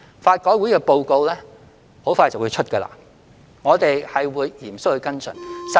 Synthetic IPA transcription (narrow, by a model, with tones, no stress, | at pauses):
faː˧t̚kɔː˨˥wu˨˥jkɛː˧po˧wko˧wlɛː˥ | ho˨˥wfaː˧jt͡sɐ˨wuː˨˧jt͡ʃʰɵ˥t̚kə˧la̰ː˧ | ŋɔː˨˧t̪e˨jhɐ˨jwuː˨˧jjiː˨˩msʊ˥k̚hɵ˧ɥkɐ˥nt͡sʰɵ̰˨˩nsɐ˨